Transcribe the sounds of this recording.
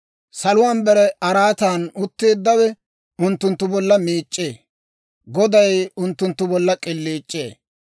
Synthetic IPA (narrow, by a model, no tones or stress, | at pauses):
sɐlʊwaːnbɛɾɛʔɐɾaːt̪aːnʊt̪ːeːd̪ːɐwɛ | ʊnt̪ːʊnt̪ːʊbɔlːɐmiːt͡ʃʼːeː | ɡɔd̪ɐjʊnt̪ːʊnt̪ːʊbɔlːɐkʼɪlːiːt͡ʃʼːe̞̰ː